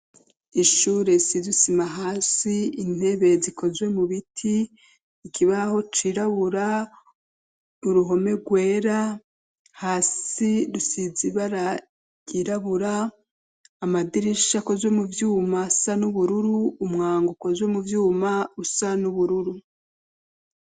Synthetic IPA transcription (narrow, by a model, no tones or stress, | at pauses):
iʃuːɾe̞sizusimaɦaːsiin̥e̞βe̞ziko̞zwe̞muβitʰiː | kʰiβaho̞t͡ʃiɾaβuɾa | uɾuɦo̞me̞ɡwe̞ːɾa | haːsidusiziβaɾa | ɟiɾaβuɾaː | madiɾiʃako̞zwe̞muvjuːmasanuβuɾuɾuːmŋaːŋɡuko̞zwe̞muvjuːmausanuβuɾuɾu